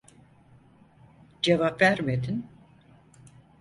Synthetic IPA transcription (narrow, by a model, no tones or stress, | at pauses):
d͡ʒe̞vapvæɾmed̪in